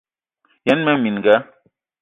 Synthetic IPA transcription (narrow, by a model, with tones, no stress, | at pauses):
jɛ˨˦nmɛ˦mi˨n˨ɡa˦